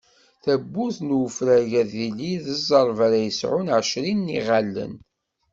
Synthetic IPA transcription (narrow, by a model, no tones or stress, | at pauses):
θæbːuθnwfɾæʝæðiliðəzˤəɾˤvaɾæjəsʕʊnʕəʃɾinːiʁalːə̰n